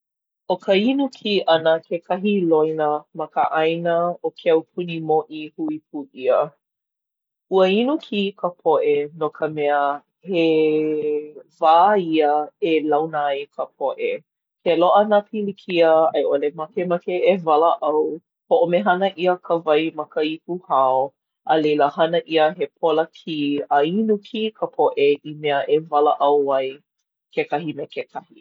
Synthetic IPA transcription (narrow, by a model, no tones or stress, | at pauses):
ʔokʰəinukʰiʔɐnəkʰekʰɐɦilojnəmɐkə̰ʔajnəokʰeɐwpʰunimoʔihuip̚ʰuʔiə | ʔuəinukʰikʰəpʰoʔenokʰəmɛə | he | vaːiəelɐwnaajkʰəp̚ʰoʔe | keloʔənapʰilikʰiəɐ̰jʔolemɐkemakeevɐləʔɐw | hoʔomeɦɐnəʔiəkʰəvɐjmɐkəip̚uhao | ʔɐlejləhɐnəʔiəɦepʰoləkʰiɐinukʰikʰəpʰoʔeʔimɛəʔevɐləʔɐwɐj | kekɐɦimekekʰɐhi